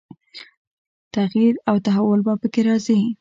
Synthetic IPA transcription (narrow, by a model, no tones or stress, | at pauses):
t̪aɣjiɾawt̪aɦawʊlbapəkeɾɑzi